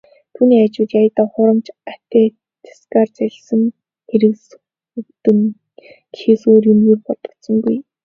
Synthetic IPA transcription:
t̪ʰuːniːat͡ɕɪ̆wt̪jajət̪ə̆ːχʊɾə̆mt͡ɕat̪eː | t͡sʰḁskaːrt͡sæɮʲsɘ̆ŋ | xeɾɘ̆ks | ɵkt̪ɵ̆ŋ | xʰeːsoːɾjɵmɣiːrpɔt̪ɞ̆t̪sɞ̆ŋɡuj

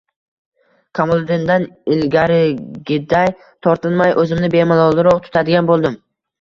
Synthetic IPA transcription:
kʰamolˠd̪ɪnd̪anɪlɡʲaɾɪɡʲɪd̪aj | t̪ʰɒɾt̪ʰɪlmajʔɵzɪmnɪbe̞mɪlˠɒlˠɪɾɒqt̪ʰʊ̥t̪ʰad̪ɪɡʲanbolˠd̪ɪm

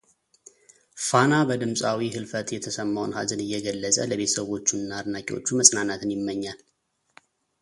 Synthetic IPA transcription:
fanabəd̪ɨmsʼawihɨlfət̪jɛt̪ʰəsəmːawnha̰zɨnɨjːɛɡəlːəsʼə̰ləβet̪ʰəsəβo̞t͡ʃːuɨnːaːd̪nakʼiwo̰t͡ʃːuməsʼnanat̪ʰɨnjɪmːəɲːal

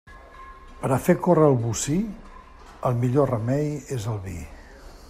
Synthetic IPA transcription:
pəɾəfekorəːlˠβusi | əlˠmiʎorəmɛjezəlˠβḭ

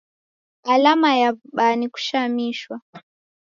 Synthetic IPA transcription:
alamajaɓaniku̥ʃamiʃwa

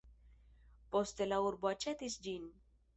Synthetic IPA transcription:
post̪elauɾbat͡ʃɛt̪isd͡ʒin

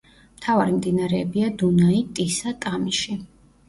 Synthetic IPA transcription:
m̥t̪ʰavaɾimd̪inaɾɛːbiad̪unait̪ʼisat̪ʼamiʃi

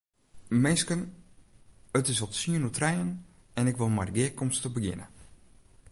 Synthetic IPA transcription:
mɪskən | ətɪsɔtsiənutrɛjən | ɛnɪkʋɪlˠmadəɡɪəkɔmstəbəɡɪ̰nə̰

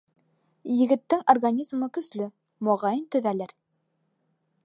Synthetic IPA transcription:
jɘ̆ɡɘ̆t̪ːɘŋʔorɡanʲizmɤkɵ̆slɵ | moʁɑjɤnt̪ɵ̆ðælɘɾ

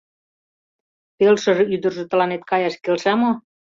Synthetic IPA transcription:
pelʃɤ̆ʒɤ̆yd̪ə̆rʒø̆t̪ɤ̆lɑnet̪̚kɑjɑʃkelʃæmo

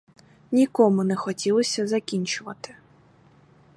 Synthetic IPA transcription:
nʲikɔmʊnɛxɔtʲilˠɔsʲɐzɐkʲinʲt͡ʃʊʋɐt̪ɪ̥

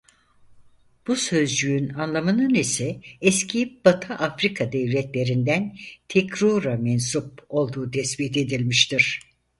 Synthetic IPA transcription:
b̥usø̞zd͡ʒyynanlˠamɯnɯnisɛɛscʰib̥at̪ʰaʔafɾikʰad̪ɛvlʲɛt̪lʲe̞ɾind̪ænt̪ʰɛkɾuɾamɛns̬up̚o̞lˠd̪uːt̪ʰɛspit̪e̞d̪ilʲmiʃt̪iɾ̥

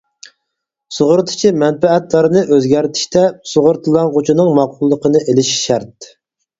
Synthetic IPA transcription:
soʁʊɾt̪ʰɨ̥t͡ʃʰimɛnpɛɛt̪lˠɑɾɨnɨʔøzɡʲæɾt̪ʰi̥ʃt̪ʰɛsoʁʊɾt̪ʰɨlˠɑnʁot͡ʃʰinɨŋmɑqʰːʊlˠːəqənɨʔelɪʃʃæɾt̪̚

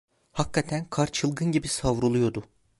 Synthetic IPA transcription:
hakʰːat̪ʰænkʰaɾt͡ʃʰɯlˠɡɯnɟibisavɾulˠujo̞d̪ʊ

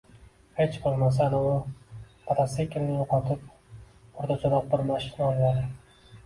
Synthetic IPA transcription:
het͡ʃbolˠmas̬anɪʊ | pʰat̪ʰasekʲʰːɪlnɪjoqʰɒt̪ʰɪp̚ʰ | ʊɾt̪ʰat͡ʃʰʊɾɑq̚bɪɾmaʃɪnaojlad̪ɪ

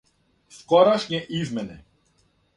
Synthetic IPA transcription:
fkɔɾaʃɲɛʔizmɛnɛ

